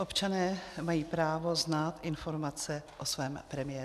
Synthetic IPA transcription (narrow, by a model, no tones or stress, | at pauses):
ʔo̞pt͡ʃanɛːmajiːpɾaːvo̞znaːt̪ʔɪnfo̞ɾmat͡sɛʔosvɛːmpɾɛmɪjɛː